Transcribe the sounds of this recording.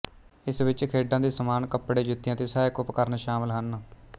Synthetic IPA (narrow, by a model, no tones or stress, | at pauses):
ɪsʋɪt͡ʃkʰeːɖãːd̪eːsəmaːnkəpːɽeːd͡ʒʊt̪ːɪjãːt̪eːsaːeːkʊpkəɾnʃaːmɪlɦən